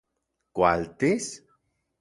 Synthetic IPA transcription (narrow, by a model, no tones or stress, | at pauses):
kwalt̪es